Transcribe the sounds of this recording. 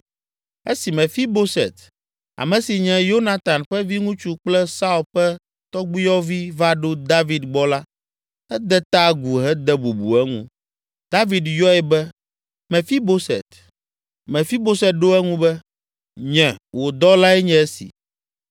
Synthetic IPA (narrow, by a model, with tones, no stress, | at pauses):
e˦si˨mɛ̃˨fi˦bo˦sɛ̰˨t̪ | a̰˨mɛ̃˨si˨ɲɛ̃˨jo˦na˨t̪a˨nɸɛ˦vi˦ŋũ˦t͡ʃu˦k͡plɛ˦sa˦u˨lɸɛ˦ | t̪ɔ˦ɡ͡bi˦jɔ˦vi˦va˦ɖo˦d̪a˦vi˨d̪ɡ͡bɔ˦la˦ | ɛ˦d̪ɛ˦t̪a˦ɡu˨ɦɛ˦d̪ɛ˦bu˨bṵ˨ɛ˦ŋṵ̃˦ | d̪̥a˦vi˨d̪jɔ˦ɛ˨bɛ˦ | mɛ̃˨fi˦bo˦sɛ̰˨t̪ | mɛ̃˨fi˦bo˦sɛ˨t̪̚ɖo˦ɛ˦ŋũ˦bɛ˦ | ɲɛ̃˨wo˨d̪ɔ˦la˦ɛ˦ɲɛ̃˦ɛ˦sḭ˨